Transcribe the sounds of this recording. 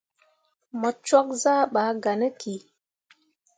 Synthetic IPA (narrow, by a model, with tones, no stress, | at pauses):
mə˨t͡ʃɔ˦k̚za˦ɓa˨˦ɡa˨nə˦kʰi˨